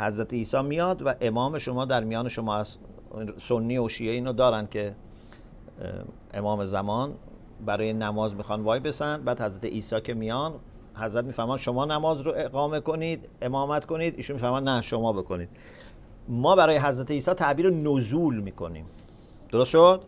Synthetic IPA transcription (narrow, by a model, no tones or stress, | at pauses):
hæzɾæt̪ʰeiːsɒːmijɒːd̪væʔe̞mɒːme̞ʃo̞mɒːd̪æɾmijɒːne̞ʃomɒːæs | sonːiːoʃiːeiːnod̪ɒːɾænd̪̥̚cʰe̞ | ʔḛmɒːme̞zæmɒːn | bæɾɒːjenæmɒːzmiːxɑːnvɒːjbe̞sænd̪̚bæːd̪hæzɾæt̪ḛʔiːsɒːcʰe̞mijɒn | hæzɾæt̪miːfæɾmæːnʃo̞mɒːnæmɒːzɾoʔe̞ɡɒːme̞ko̞niːd̪ | e̞mɒːmæt̪ko̞niːd̪iːʃunmiːfæɾmɔːd̪næʃo̞mɒːbe̞ko̞niːd̪̥̚ | mɒːbæɾɒːjeɦæzɾæt̪ʰeiːsɒːt̪ʰæʔbiːɾenozuːlmiːko̞nḭːm | d̪̥oɾost̪ʃod̪̥